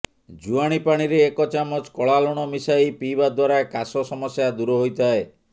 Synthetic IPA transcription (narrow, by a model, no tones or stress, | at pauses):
d͡ʒuaɽ̃ipaɽ̃iɾeːkɔt͡ʃamɔt͡ʃkɔɭalɔɽ̃ɔmisajpibad̪waɾakasɔsɔmɔsjad̪uɾɔɦojt̪ae